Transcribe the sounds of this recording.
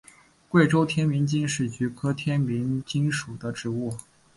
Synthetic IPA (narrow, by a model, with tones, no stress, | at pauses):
kwe˥˩ɪʈ͡ʂo˥ʊt̪ʰjɛ˥nmi˧˥nt͡ɕi˥nʂɻ̩˥˩t͡ɕy˧˥kʰɤ˥t̪ʰjɛ˥nmi˧˥ŋt͡ɕi˥ŋʂu˨˩d̪ə˦ʈ͡ʂɻ̩˧˥u˥˩